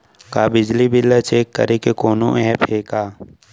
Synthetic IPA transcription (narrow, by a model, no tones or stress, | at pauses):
kaːbɪd͡ʒlibɪlːat͡ʃeːkːɐ̰ɾekekoːnõ̰ʔɛːpʰeːkaː